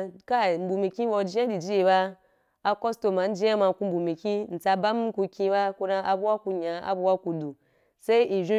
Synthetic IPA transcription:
ka˦˨m̩˦bu˨mi˨kʲĩ˦wo˧d͡ʒi˦ã˦di˨d͡ʒi˦i˧ba˦ | a˦ko˦sto˨ma˨n̩˦d͡ʒã˦ma˧ku˧m̩˦bu˨mi˨kʲĩ˦n̩˨t͡sa˧ba˦mu˦ku˧kʲĩ˧ba˦ku˧ɾã˧ʔa˨bu˦wa˦ku˧ɲã˨a̰˨bu˧˦wa˦ku˧du˨ | se˦i˦ʔi˨ʒe˦

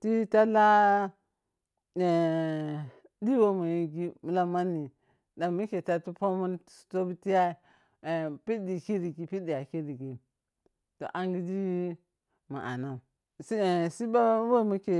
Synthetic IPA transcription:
ti˦ta˦la˦ | e˨ | di˦wo˦mu˨ji˦ɡi˦mu˨la˦ma˦ni˨ | da˨mu˦ke˨ta˦tu˦po˦mu˦n˨to˦bu˦ti˦ja˦˨ | pi˦di˨ki˦ɾi˨ɡi˨pi˦di˨a˨ki˦ɾi˨ɡi˨ | to̰˨ʔa˦ŋɡi˦d͡ʒi˦ | ma̰˨ʔa̰˨na˨ | ssi˦ba˦wo˦˨mu˦ke˨

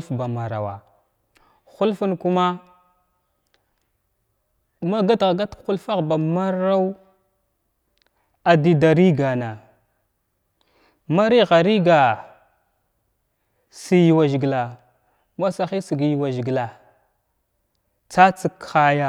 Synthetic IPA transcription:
fba˨ma˨ɾa̰˨wa̰˨ | xu˦lfu˦nku˦ma˦ | ma˦ɡa˦tɣa˨ɡa˦txu˦lfa˦ɣba˨ma˦ɾa˦w | a˨di˦da˨ɾi˦ɡa˨na˨ | ma˦ɾi˦ɣa˨ɾi˦ɡa˨ | si˦ji˨wa˨ʒi˨ɡla˨ | ma˦sa˨xi˦si˨ɡji˨wa˨ʒi˨ɡla˨ | t͡sa˦t͡si˦ka˦ja˦

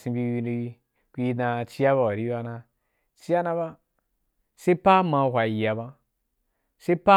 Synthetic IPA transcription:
sĩ˧bi˧wi˧ni˧wi˧ | kʲʷi˧˦˧da˧t͡ʃi˦ja˦βa˨wa˨ɾi˦ba˧na˧ | t͡ʃi˦a˦na˧ba˦ | se˦i˦pa˦ma˧˨ɦʷa˨ji˨ja˨ba˧ | se˦pa˦

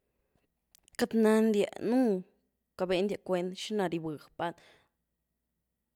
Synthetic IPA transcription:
ka˧t̪na˧nd̪ʲja̰˧˨nũ˦ | ka˧be˧nd̪ja˧kʷe˧˦nt̪ʃi˦na˧ɾi˧bɨ˨xpa˧˦n

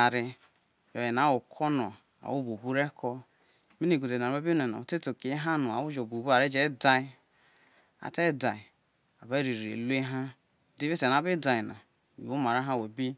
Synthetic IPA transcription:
a˨ɾi˦ | jo˨ji˨na˨˦wo˨kʰɔ˦nɔ̰˨ | a̰˨wu˦bo˨bu˦ɾe˦kʰɔ˦ | mi˦ni˨ɡo˨de˨n˨a˨˦e˦bi˦ne˨na̰˨te˦to˨ki˨˦ɦa˦nu˨a̰˨wu˦d͡ʒo˨bu˨bu˦a˨ɾe˦d͡ʒe˦da˦ | a̰˨te˦da˨i˨ | a˨be˦ɾi˨ɾḛ˨lu˦e˦ɦa˦ | di˦vi˦te˨na˨˦bi˦da˨i˨na̰˨ | u˦ma˨ɾa˦ɦa˦we˨bi˦

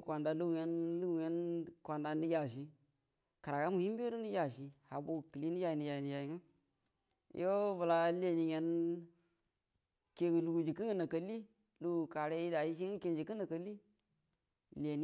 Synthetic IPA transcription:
kʷa˨nda˨lu˦ɡu˨je˦nlu˦ɡu˨je˦nkʷa˨nda˨ni˦ja˨ʃ̬i˦ | ka˨ɾa˨ka˦mu˨hi˦m˦be˦ɾu˦ni˦ja˨ʃi˨ha˨bo˨ki˨li˦ni˦ja˨i˨ni˨ja˨ni˨ja˨i˨ŋə˦ | jo˦və˨la˦le˨ni˨je˨n | ke˨ɡu˨lu˨ɡu˨d͡ʒi˨ki˦ŋə˦na˨kə˨li˦ | lu˦ɡu˨ka˨ɾe˦i˦da˨ji˦ʃ̬i˦ŋi˦ke˦nd͡ʒi˨kə˦na˨kə˨li˦ | le˨ni˦

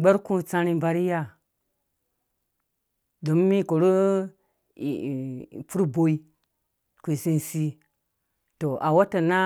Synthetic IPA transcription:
ɡ͡be˦ɾku˦t͡sã˦ɾi˦ba˨ɾi˦ja˦˨ | do˨˦mː˦i˦ko˨ɾu˦˨ | pu˦ɾbo˦i˦ | ku˨si˦n˨si˦ | to˨ʔa˨wa˦ta˨na˦

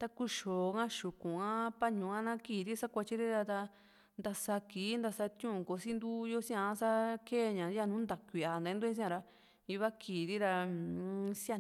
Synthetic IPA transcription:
t̪a˧ku˧ʃo˨˧ŋã˦ʃu˨kũ˨ã˦pa˦ɲũ˨˧ã˦nã˦kiː˨ɾi˦sa˦kʷa˧t͡ʃi˦ɾi˦ɾa˧t̪a˧ | nd̪a˧sa˧ki˨˦nd̪a˧sa˧t̪jũ˦˧˨ko˨˧si˦nd̪u˦jo˦sĩ˦ã˧˦sa˦keː˦˧ɲã˨ja˦˧nũ˦nd̪a˨kʷi˨a˨nd̪a˨˧ĩ˦nd̪u˦ĩ˦sĩ˦ã˧ɾa˧ | i˧βa˦kʰiː˨ɾi˦ɾa˧ | si˦a˦˧

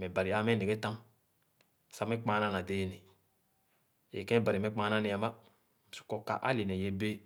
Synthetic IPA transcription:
mɛ˨ba˨ɾi˨a˦mɛ˦˨ne˨ɡe˦ta˦m˨ | sa˨˦mɛ˦k͡pa˨˦na˦˨na˨de˦ne˨ | ḛ˨kɛ̃˦˨ba˨ɾi˨mɛ˦k͡pa˨˦na˦ne˨a˨ma˦ | m˨u̥˦kɔ˧ka̰˨ʔa̰˦li˨nɛ˨je˨be˦

